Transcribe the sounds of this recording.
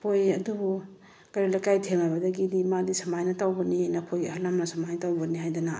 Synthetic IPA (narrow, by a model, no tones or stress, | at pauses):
pojɐdubu | kaɾilakajtʰeŋabɐdɐɡidimadisɐmajnɐtawbɐninɐkʰojhalamnɐsɐmajtawbɐniɦajdana